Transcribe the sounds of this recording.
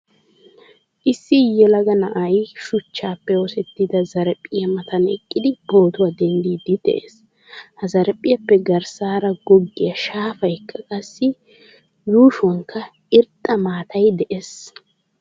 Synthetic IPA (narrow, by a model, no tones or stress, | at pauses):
ʔɪsːɪjɛlɐɡɐnɐʔɐjʃʊt͡ʃːaːpːɛosɛt̪ːɪd̪ɐzɐɾpʼːɪjɐmɐt̪ɐnɛkʼːɪd̪ɪbo̞ːt̪ʊwaːd̪ɛnd̪iːd̪ɪd̪̥ɛ̰ʔḛːs | hɐzɐɾpʼːɪjɐpːɛɡɐɾsaːɾɐɡɔɡːɪjɐʃaːfɐjkːɐkʼɐsːɪ | juːʃɔŋkʰːɐ | ɪɾt̪ʼːɐmaːt̪ʰɐjd̪ɛʔes